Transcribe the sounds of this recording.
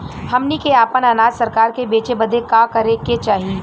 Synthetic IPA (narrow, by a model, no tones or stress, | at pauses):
hɐmnikeaːpənaːnaːd͡ʒsɐɾkaːɾkebeːt͡ʃebɐd̪ʱekakɐɾeket͡ʃaːɦie